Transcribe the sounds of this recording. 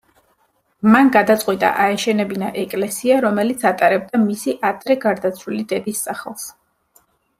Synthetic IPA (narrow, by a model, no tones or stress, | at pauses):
manɡad̪at̪sʼqʼwit̪ʼa̰ʔaɛʃɛnɛbinaʔɛkʼlɛsiaɾɔmɛlit̪sʰat̪ʼaɾɛb̚d̪amisiʔad̪ɾɛɡaɾd̪at̪sʰwilid̪ɛd̪isːaχɛlˠs